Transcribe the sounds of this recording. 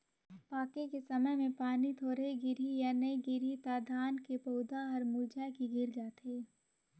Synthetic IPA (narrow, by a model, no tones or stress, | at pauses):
paːkekesɐməjmẽpaːnit̪ʰoːɾeɡɪɾijanəiɡɪɾit̪aːd̪ʱaːnkepoːd̪aɦɐɾmuːd͡ʒakiɡʱɪɾd͡ʒaːt̪ʰeː